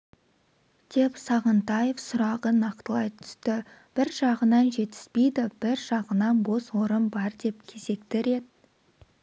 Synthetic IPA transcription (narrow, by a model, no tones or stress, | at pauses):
d̪̥e̞psɑʁənt̪ɑjefsʊɾɑʁənɑqt̪əlˠɑjt̪ʰʏ̥st̪ɪ | b̥ɪɾʒɑʁənɑnʒe̞t̪ɪ̥z̥pe̞jd̪ɪb̥ɪɾʒɑʁənɑnbo̞swo̞ɾənbɑɾd̪e̞p̚kʲʰe̞se̞kt̪ɪɾe̞t̪